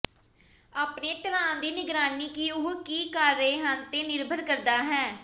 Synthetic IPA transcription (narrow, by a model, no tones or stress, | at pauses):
aːpneːʈəlãːd̪iːnɪɡɾaːniːkiːʊɦkiːkaɾːəeːɦənt̪eːnɪɾbʱəɾkəɾd̪aːɦɛ̃ː